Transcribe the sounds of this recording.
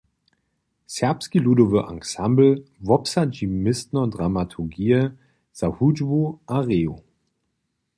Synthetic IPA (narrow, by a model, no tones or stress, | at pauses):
sɛɐpskiludovəʔa̰ŋsambl̩vɔpsad͡ʒimɪstnɐdʁamatʰuɡiːə | z̥ahud͡ʒvuʔaʁeːo